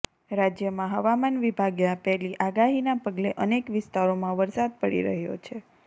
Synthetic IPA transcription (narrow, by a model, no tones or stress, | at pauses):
ɾad͡ʒjəmãɦəʋamanʋibʱaɡjapɛɦliʔaɡaɦinapəɡleʔənekʋɪst̪aɾomãʋəɾsad̪̚pəɽḭɾə̰ɦjo̰t͡ʃʰe